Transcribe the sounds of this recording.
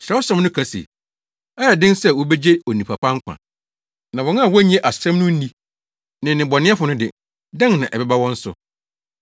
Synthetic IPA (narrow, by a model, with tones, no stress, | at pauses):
ɕɾɛ˨˦wɔ˦sã˦m˦nʊ̃˦kʰa˨sḭ˨ | ɛ˦jɛ˨dɪ̃˦nsɛ˦wɔ˦bɛ˦d͡ʑe˦o˨nĩ˨pʰa˨pʰã˦ŋ̩˦kʷʰã̰˨ | nã˨wɔ̃˨˦n˦a˦˨wɔ˦ɲɛ̃˦ʔa˨sɛ̃˦mnʊ̃˦n̩˦nĩ˦ | nɪ̃˨nɪ̃˨bɔ˨nɪ̃˦ɛ˦fʊ˨nʊ̃˦dɪ̰˨ | dã˦ŋnã˨ʔɛ˨bɛ˦ba˦wɔ̃˦n̩˦sʊ̰˨